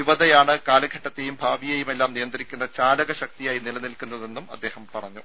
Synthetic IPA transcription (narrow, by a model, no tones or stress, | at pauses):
iʋɐðɐjaːɳɨkaːlɐɡʱɐʈːɐt̪ːejumbʱaːʋijejume̞lːaːmnijɐnd̪ɐɾikʲːunːɐt͡ɕaːlɐɣɐɕɐk̚t̪ijaːjinilɐnilkːunːɐðe̞nːumɐ̰d̪ːe̞ːhɐmpɐrɐɲːu